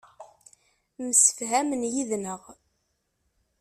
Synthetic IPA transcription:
məsə̥fɦæmənjiðnəʁ

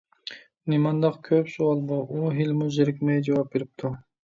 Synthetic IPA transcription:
nimɑnd̪ɑqkʲʰøpsuɑlˠbɑʔuɦilmuzeɾɪkʲmɛjd͡ʒɑwɑp̚beɾip̚t̪ʰʊ

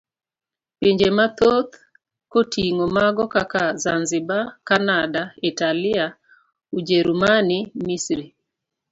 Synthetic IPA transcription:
piɲd͡ʒemat̪ot̪ | kotiŋomaɡɔkakazanzibakanadaitalɪa | ud͡ʒeɾumanimisɾi

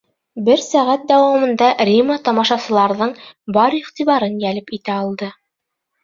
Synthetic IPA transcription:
bɘɾsæʁæt̪̚d̪æwɑmɤ̆nd̪ɑɾʲimət̪ɑmɑʃɑsɤ̆lˠɑɾðɤɴbɑɾiqt̪iβɑɾɤnjælɘpit̪æɑlˠd̪ɤ

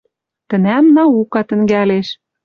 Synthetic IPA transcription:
t̪ə̆næmnɑukɑt̪ɘ̆ŋɡæleʃ

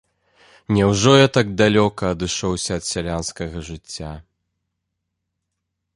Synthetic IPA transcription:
nʲɛwʐɔjat̪aɡ̚d̪alʲɔkɐːd̪ɨʂɔwsʲɐːt̪sʲalʲanskɐɣɐʐɨt͡sʲːa

